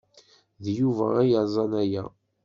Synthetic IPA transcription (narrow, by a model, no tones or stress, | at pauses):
ðjuvæ̰æjəzˤɑnæjæ